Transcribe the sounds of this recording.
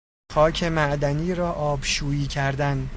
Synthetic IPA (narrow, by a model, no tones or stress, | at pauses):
xɒːcʰe̞mæʔd̪æniːɾɒːʔɒːbʃuːjiːcʰæɾd̪æn